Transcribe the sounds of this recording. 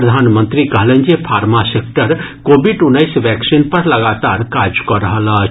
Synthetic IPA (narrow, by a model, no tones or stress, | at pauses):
əd̪ʱaːnmə̃nt̪ɾikɐɦlẽnd͡ʒepʰaːɾmasek̚ʈəɾkoːbiɖʊnəɪsʋɛːksinpɐɾlɐɡaːt̪aːɾkaːɾd͡ʒkɔɾəɦəla